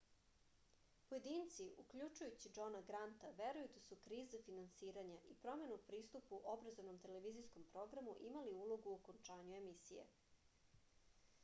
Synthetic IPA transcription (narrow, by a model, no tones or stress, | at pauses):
poje̞d̪iːnt̪siukʎut͡ʃujut͡ɕid͡ʒo̞naɡɾant̪aʋe̞ɾujud̪asukɾiːzafinansiːɾaɲaʔipɾo̞me̞nuupɾiːst̪upuʔo̞bɾazovno̞mt̪e̞le̞ʋizisko̞mpɾo̞ɡɾamuʔimaliulˠo̞ɡuokont͡ʂaːɲue̞misijḛ